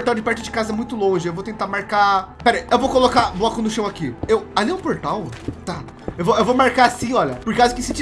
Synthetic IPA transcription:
ɾt̪awd͡ʒɪpɛɾt̪ʊd͡ʒɪkazɐmũj̃t̪ʊlõʒɪewvowt̪ẽnt̪amaɾkapɛɾejewvowkolokablɔkʊnʊʃɐ̃w̃akiewaliũpoɾt̪awt̪a | ewvoewvowmaɾkaasĩɔʎɐpoɾkazʊkɪsɪt͡ʃ

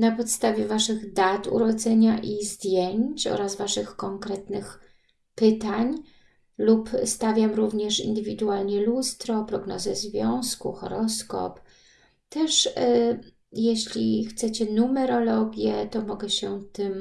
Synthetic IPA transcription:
napɔt̪st̪avʲjɛvaʂɘɣd̪at̪ṵɾɔd̪zɛɲaʔizd̪ʲjeɲt͡ɕɔ̰ɾazvaʂɘxkɔŋkɾɛt̪nɘx | pɘt̪aɲ | lupst̪avʲjamɾuvɲɛʂḭnd̪ɘvʲid̪ualɲɛlust̪ɾɔpɾɔɡnɔ̰zɛzvʲjɔ̃w̃skuxɔ̰ɾɔskɔ̰p | t̪ɛʂ | jeɕlʲixt̪sɛt͡ɕɛnumɛɾɔlɔɡʲjɛt̪ɔmɔɡɛɕɛt̪ɘm

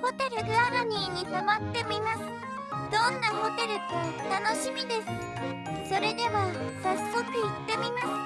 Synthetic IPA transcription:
ho̞t̪e̞ɾɯ̟ɡɯ̟aɾaɲ̟ʲiːɲ̟isaβat̪ːe̞mʲimasɨ̥ | d̪̥õ̞nːaho̞t̪e̞ɾɯ̟t̪ot̪ano̞ɕimʲid̪e̞sɨ̥ | so̞ɾe̞d̪e̞βasasːo̞kɯ̟it̪ːe̞mʲimasɨ̥

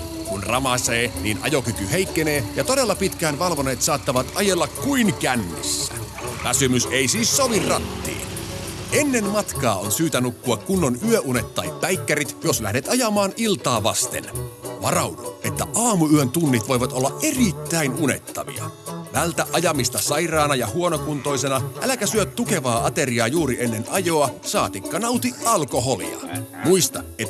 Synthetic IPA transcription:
kunrɑmɑseːnḭːnʔɑ̰jokykyhe̞ikːene̞ːjɑt̪o̞de̞lːɑpit̪kæːnʋɑlʋoneːt̪sɑːt̪ːɑʋɑt̪ɑjelːɑkkuiŋkænːḭsːæ̰ | ʋæsymyseisiːssoʋirrɑt̪ːḭːne̞nːenmɑt̪kɑːonsyːt̪ænukːuɑkkunːonyøʔunet̪ːɑjpːæjkːæɾit̪joslæ̰hneːt̪ɑjɑmɑːnilt̪ɑːʋɑst̪ḛnʋɑrɑwduʔet̪ːæʔɑːmuyønt̪unːit̪ʋoiʋɑt̪olːɑʔe̞rit̪ːæinune̞̰t̪ːɑ̰ʋḭɑ̰ʋælt̪æʔɑjɑmist̪ɑsɑirɑːnɑjɑhuonokunt̪o̞isenɑʔælækæsyøt̪t̪ːuke̞ʋɑːɑt̪e̞riɑjuːɾienːenɑjo̞ɑsɑːt̪ikːɑnɑwt̪iʔɑlkoɦolḭɑ̰muist̪ɑet̪ː

